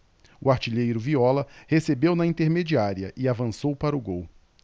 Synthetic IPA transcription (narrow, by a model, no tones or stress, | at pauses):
ʊaɾt͡ʃiʎejɾʊviɔlɐhesebewnɐĩnt̪eɾmed͡ʒiaɾiɐ̰ʔɪavɐ̃sowpaɾʊɡow